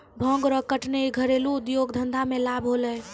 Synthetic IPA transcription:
bʱə̃ŋɡɾəkəʈneiɡʱəɾeluːd̪joɡd̪ʱənd̪ʱamelabɦolɛ

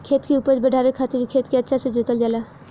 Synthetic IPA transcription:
kʰeːt̪kiuːpət͡ʃbɐɖʱaːʋekʰaːt̪eɾikʰeːt̪keɐtːʃʰased͡ʒoːt̪əld͡ʒaːlaː

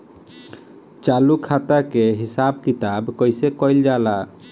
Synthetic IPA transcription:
t͡ʃalukʰat̪akeɦisabkit̪abkɔjsekɔjld͡ʒala

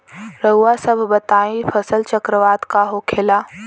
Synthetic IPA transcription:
ɾəɦuwasəbʱbət̪aːĩfʰəsəlt͡ʃəkɾəʋaːd̪kaɦokʰeːla

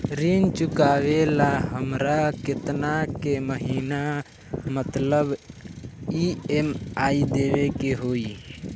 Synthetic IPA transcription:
ɾint͡ʃʊkaʋelaɦəmɾakɪt̪nakeməɦiːna | mət̪ləb | iemaːid̪eːʋekeɦoːi

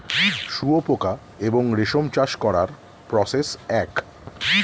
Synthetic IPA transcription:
ʃuopoka | eboŋɾeʃomt͡ɕaʃkɔɾa̰ɾ | pɾɔsesɛk

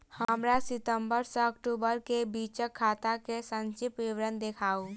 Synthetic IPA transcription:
həəmɾasɪt̪ə̃mbəɾseɐkʈuːbəɾkebiːt͡ʃəkʰːaːt̪akesə̃nt͡ʃɪpʋiʋɾə̃nd̪ekʰaːo

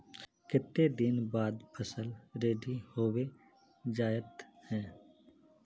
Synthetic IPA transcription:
kɪt̪ːed̪ɪnbaːd̪pʰəsəlɾeːɖihoːwe | d͡ʒaːjət̪hɛ̃ː

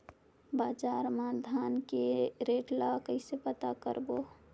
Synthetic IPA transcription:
baːd͡ʒaːɾmaːd̪ʱaːnkeɾeːʈlakəɪsepət̪akə̰ɾboː

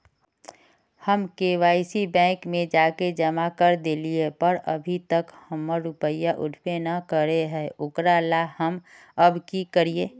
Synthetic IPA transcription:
həmkeːʋaːɪsibɛ̃ːkmẽd͡ʒaːked͡ʒəmakəɾd̪eːliepəɾə̰bʱit̪əkhəmːəɾʊpəijaʔʊ̰ʈʰpenɐkəɾeɦɛːʔʊkɾalahəm | ɐbkikəɾieː

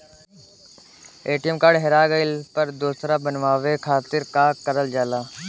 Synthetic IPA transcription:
eːʈijəmkaːɖɦeɾaːɡəɪlpəɾd̪oːsɾaːbənʋaːʋeːkʰaːt̪ɪɾkaːkːəɾəld͡ʒaːlaː

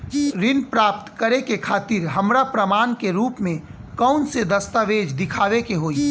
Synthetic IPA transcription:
ɾɪnpɾaːp̚t̪kəɾekekʰaːt̪ɪɾɦəmɾapɾəmaːnkeɾuːpmẽ | kəʊnsed̪əst̪aʋeːd͡ʒd̪ɪkʰaːʋekeɦoːi

